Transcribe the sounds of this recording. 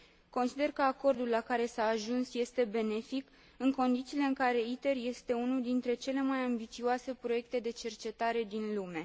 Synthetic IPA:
ko̞nsid̪e̞rkəako̞rd̪ulːakaɾe̞saːʒunsje̞st̪e̞be̞ne̞fik | ɨŋko̞nd̪it̪siːle̞ɨŋkaɾe̞it̪e̞rje̞st̪e̞unuld̪int̪ɾe̞t͡ʃe̞le̞majambit̪sioase̞pɾo̞je̞k̚t̪e̞d̪e̞t͡ʃe̞rt͡ʃe̞t̪aɾe̞d̪inlume̞

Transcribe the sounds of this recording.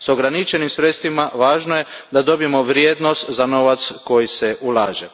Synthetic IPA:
soɡɾanit͡ʃenimsɾet̪st̪ʋimaʋaːʒnojed̪ad̪o̞bijemo̞ʋɾjeːd̪nost̪zano̞ʋat̪sko̞jiseʔulˠaːʒe

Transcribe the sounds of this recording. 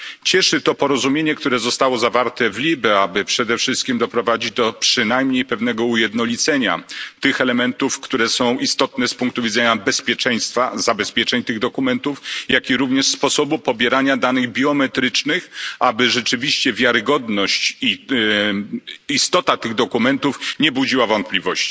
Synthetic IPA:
t͡ɕɛʂɘt̪ɔpɔɾɔzumʲjeɲɛkt̪uɾɛzɔst̪awɔzavaɾt̪ɛvlʲibɛabɘpʂɛd̪ɛfʂɘst̪̚kʲimd̪ɔpɾɔvad͡ʑid͡ʑd̪ɔpʂɘnajmɲejpɛvn̪ɛɡɔujɛd̪nɔlʲit̪sɛɲa̰t̪ɘxɛlɛmɛnt̪ufkt̪uɾɛsɔ̃w̃ʔist̪ɔt̪nɛspuŋk̚t̪uvʲidzɛɲabɛspʲjɛt͡ʂɛj̃st̪fazabɛspʲjɛt͡ʂɛɲt̪ɘɣd̪ɔkumɛnt̪ufjakʲiɾuvɲɛʂspɔsɔbupɔbʲjɛɾaɲad̪anɘɣbʲjɔmɛt̪ɾɘt͡ʂnɘxabɘʐɛt͡ʂɘvʲiɕt͡ɕɛvʲjaɾɘɡɔd̪nɔɕt͡ɕi | ist̪ɔt̪at̪ɘɣd̪ɔkumɛnt̪ufɲɛbud͡ʑiwavɔnt̪̚plʲivɔɕt͡ɕi̥

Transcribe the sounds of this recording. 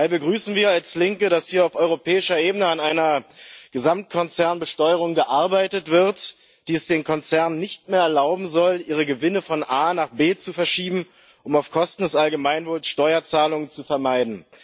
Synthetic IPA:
habəɡʁyːsn̩viːɐalslɪŋkəɾashiːɐaʊfʔɔʏʁopʰɛːɪʃɐʔeːbənəanaɪnɐɡ̥əzamt̚kʰɔnt͡sɛɐnbəʃtɔʏəʁ̞ʊŋɡəʔaɐbaɪtətv̥ɪɐt | d̥iːɛsd̥eːnkʰɔnt͡sɛɐnnːɪçtmeːɐɛɐlaʊbm̩zɔlʔiːʁ̞əɡəvɪnəfɔnʔaːnaːχb̥eːt͡sufɛɐʃiːbm̩ | ʔʊmaʊfkʰɔstn̩dɛsʔalɡəmaɪnvoːlsʃtɔʏɐt͡saːlʊŋənt͡sufɛɐmaɪdn̩

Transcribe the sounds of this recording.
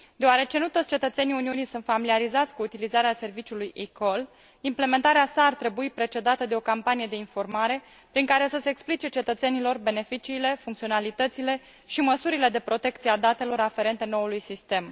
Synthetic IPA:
d̪eoaɾe̞t͡ʃe̞nut̪ot̪sʲt͡ʃe̞t̪ət̪se̞niuniunijsunt̪familiaɾizat̪sʲkuːt̪ilizaɾease̞rvit͡ʃulujʔiko̞l | imple̞me̞nt̪aɾeasaːrt̪ɾe̞buipɾe̞t͡ʃe̞d̪at̪əd̪e̞o̞kampanije̞d̪e̞info̞rmaɾe̞ | pɾiŋkaɾe̞səse̞ːksplit͡ʃe̞t͡ʃe̞t̪ət̪se̞nilo̞rbe̞ne̞fit͡ʃiːle̞fuŋkt̪sio̞nalit̪ət̪sile̞ | ʃiməsuɾile̞d̪e̞pɾo̞t̪e̞k̚t̪siead̪at̪e̞lo̞ɾafe̞ɾe̞nt̪e̞no̞ulujsist̪e̞m

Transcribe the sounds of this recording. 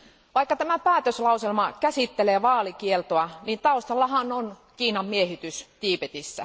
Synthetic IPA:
ʋɑikːɑt̪æmæpæːt̪øslɑuselmɑkæsit̪ːeleːʋɑːlikielt̪oɑniːnt̪ɑust̪ɑlːɑhɑnonkiːnɑmmiehit̪yst̪iːpet̪isːæ̰

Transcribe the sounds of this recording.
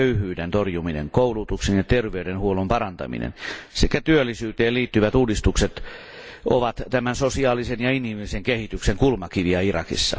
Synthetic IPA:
øyhyːdent̪orjuminḛŋkoulut̪uksenjɑt̪erʋeydenhuolumpɑɾɑnt̪ɑ̰mḭnḛnsekæt̪yølːˑisyːt̪eːliːt̪ːyʋæt̪uːdist̪ukset̪ | oʋɑt̪t̪æmænsosiɑːlisenjɑinimiliseŋkehit̪ykseŋkulmɑkiʋiɑirɑ̰kḭsːɑ̰

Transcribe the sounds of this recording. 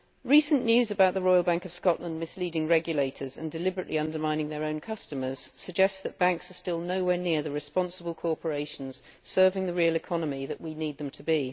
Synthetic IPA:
ɹiˑsə̃nːjʉːzəbaʊʔ̪̚ðəɹɔɪlˠbæ̃ŋkəv̥skɒʔlə̃nmɪsliːdɪ̃ŋɹɛɡjəleɪtʰəzə̰̃ndɨlɪbɹəʔlʔiʌ̃ndəmãɪ̃nɪ̃ŋðəɹə̃ʊ̃nkʰʌstəmə˞z̥səɡ̚d͡ʒɛstðəʔ̚b̥æ̃ŋksəstɪlˠnəʊwɛːnɪəðəɹɨspɑ̃nsəbəlˠkʰɔɹpʰəɹeɪʃn̩z̥ | sɜ˞vɪ̃ŋðəɹiəlˠɪkʰɒnəmiðəʔwiniːd̪̚ðə̃mtʰəbi

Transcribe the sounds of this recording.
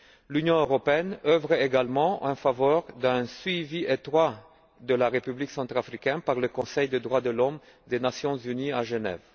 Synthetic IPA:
lynjɔ̃øʁɔpeɛnœvʁeɡalmɑ̃ʔɑ̃favɔʁd̪ɛ̃sɥiviet̪χwa | d̪əlaʁepybliksɑ̃t̪χafχikʲɛnpaʁləkɔ̃sɛjd̪əd̪ʁwad̪əlɔm | d̪enasjɔ̃zyniaʒənɛ̰v

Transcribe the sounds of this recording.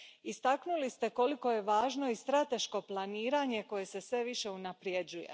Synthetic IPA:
ist̪aknulist̪e̞koliko̞je̞ʋaːʒno̞ist̪ɾat̪e̞ʃko̞plˠaniːɾaɲe̞ko̞je̞se̞sʋe̞ʋiʃe̞unapɾje̞d͡ʑujḛ

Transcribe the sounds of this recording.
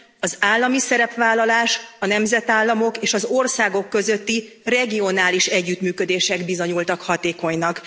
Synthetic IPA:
ɒzaːlːɒmisɛɾɛpʋaːlːɒlaːʃɒnɛmzɛt̪aːlːɒmo̞keːʃɒzo̞rsaːɡo̞kːø̞zøt̪ːi | rɛɡio̞naːliʃɛɟːyt̪myːkø̞d̪eːʃɛɡbizo̞ɲult̪ɒkhɒt̪eːko̞ɲnɒk

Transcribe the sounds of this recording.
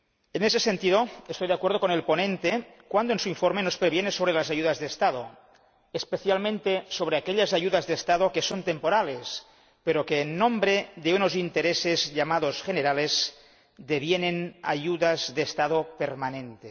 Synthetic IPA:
enesesent̪iðoest̪ojðeakweɾð̞okonelponẽnt̪e | kwand̪oensuiɱfoɾmenospɾeβjenesoβ̞ɾelazajuðazðeːst̪aðo | espeθjalmẽnt̪esoβɾeakeʎazaʝuðazðeːst̪aðokesont̪empoɾales | peɾokeːnːõmbɾeðeunozint̪eɾesezʎamaðosxeneɾalez | d̪eβjenena̰ʝuðazðeːst̪að̞opeɾmanẽnt̪e

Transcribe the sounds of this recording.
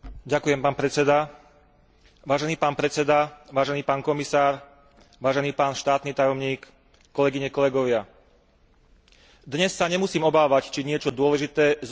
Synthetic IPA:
ɟakujɛmpaːnpɾɛt͡sɛd̪a | ʋaːʒɛniːpaːnpɾɛt͡sɛd̪aʋaːʒɛniːpaːnkɔmisaːɾ | ʋaːʒɛniːpaːnʃt̪aːt̪niːt̪ajɔmɲiːkː | ɔlɛɡiɲɛkɔlɛɡɔʋɪa | d̪ɲɛsːaɲɛmusiːmɔbaːʋact͡ʃiɲɪɛt͡ʃɔd̪ʊɔlɛʒit̪ɛːz

